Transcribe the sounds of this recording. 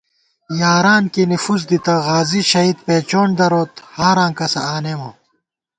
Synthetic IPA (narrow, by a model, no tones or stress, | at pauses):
jaːɾaːnkinifuzd̪it̪ɐɣaːziɕɐid̪̚peːt͡ɕoːɳd̪ɐɾoːt̪haaːɾãːŋkɐsɐ̰aːnemo